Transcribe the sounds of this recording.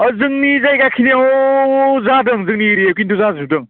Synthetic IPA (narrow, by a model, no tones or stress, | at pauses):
azɯŋnizajɡakʰineo | zadɯŋzɯŋniɾiekinduzazudɯŋ